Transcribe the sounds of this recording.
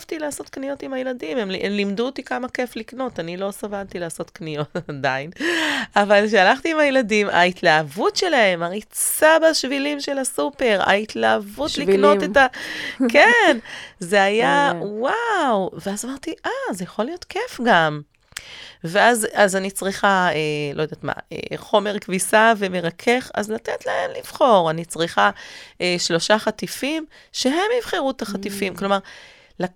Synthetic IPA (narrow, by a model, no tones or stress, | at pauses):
vt̪ilaːso̞t̪knijo̞timhajeladime̞mlmlimd̪uot̪ikamake̞flikno̞tanilo̞savant̪ilaːso̞t̪knijo̞tadainavalʃ̬ealaχt̪iːmajeladima̰itlaːvutʃe̞lahe̞maʁit͡sabaʃvilimʃe̞lasupe̞ʁa̰it̪laːvut̪likno̞tet̪akenzeajawawveazamaʁt̪iʔaze̞jaχo̞lijo̞tkefɡam | veazazanit͡sʁiχaelojod̪at̪ma̰ḛχo̞me̞ʁkvisave̞me̞ʁakʰe̞χa̰zlat̪et̪laemliv̥χo̞ʁanit͡sʁiχaʔeʃlo̞ʃaχat̪ifim | ʃe̞ɦe̞mivχiʁut̪aχat̪ifimklo̞maʁ | la